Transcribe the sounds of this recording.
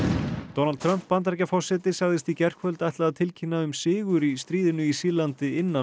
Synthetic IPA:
t̪ɔnalt̪t̪ʰɾœm̥pːant̪aɾcafɔr̥sɛt̪ɪsaɣðɪst̪icɛr̥kfœlt̪ajht̪laðt̪ʰɪlcʰinːaʏmsɪːɣʏɾist̪ɾiːðɪnʏisiːlant̪ɪɪnːa

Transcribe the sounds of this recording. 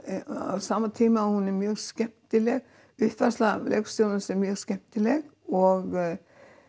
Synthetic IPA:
sɑmːət̪ʰiːmɑhʊnɛmyːɾskɛp̚t̪t̪ɪleɡ | ʉːt̪ʋæslɑlɛ̰ːkst̪uːlən̩sɛmyːskɛp̚t̪ʰɪlɛɡ | ɔɡ

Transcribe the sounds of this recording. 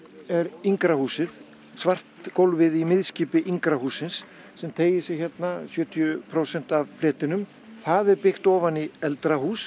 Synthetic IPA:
ɛɾiŋkɾahuːsɪð | svar̥t̪kowlvɪðimɪðsciːpɪʔiŋkɾahuːsɪnsː | ɛmt̪ʰeːjɪsɪçɛt̪nasjœːt̪ʰijʏpʰɾosɛn̥t̪avflɛːt̪ɪnʏm | θaðɛɾpɪxt̪ɔːvaniɛlt̪ɾahuːs

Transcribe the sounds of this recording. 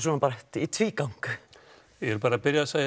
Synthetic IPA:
sɔːnpaːɾɛht̪it̪ʰviːkawŋk | jɛɾpaːɾapɪɾjasaj

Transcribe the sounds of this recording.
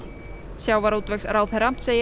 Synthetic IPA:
sjaːwvaɾuːt̪vɛksɾawθɛɾam̥t̪seːjɪ

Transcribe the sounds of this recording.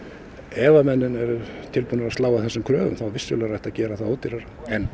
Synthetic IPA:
ɛːvamɛnːʏnɛɾʏt̪ʰɪlpunaɾast̪laːwaθɛsːʏmkʰɾœːɣʏ̰mθawvɪsːʏlɛɣrajht̪aðcɛːɾaθaðoːt̪ːɪɾaɾ | ɛn

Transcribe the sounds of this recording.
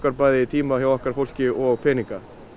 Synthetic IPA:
kaɾpaːjðɪt̪ʰiːmaçjawɛhkaɾ̥fowl̥scɪʔɔɣpʰɛːniŋka

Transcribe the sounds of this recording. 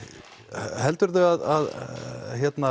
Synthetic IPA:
hɛlt̪ʏɾðʏaðaðçjɛt̪na

